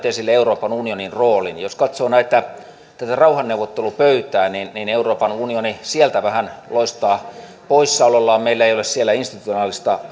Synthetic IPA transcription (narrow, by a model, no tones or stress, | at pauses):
t̪esilːeeuroːpɑnunioninroːlinjoskɑt̪soːnæˑit̪ːæ | t̪æt̪ærɑuhɑnːeuʋːˑot̪ːelupøyt̪æːninnineuroːpɑnunionisielt̪æʋæhænloist̪ɑː | poissɑulɑlːɑːmmeilːæeˑijolessielːæinst̪it̪u̥t̪ionɑːlist̪ɑ